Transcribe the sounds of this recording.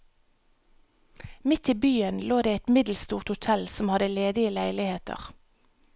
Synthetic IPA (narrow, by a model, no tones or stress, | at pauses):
mɪt̪ʰiːbyːənloːd̪eːɛt̪mɪd̪l̩st̪uːʁt̪hʊt̪ʰɛlsɔmhɑd̪əleːd̪ɪəlæɪlɪheːt̪ʰə̰ʁ